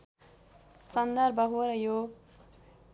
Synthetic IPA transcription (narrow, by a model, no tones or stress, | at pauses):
sʌnd̪ʌɾbʌɦoɾʌjo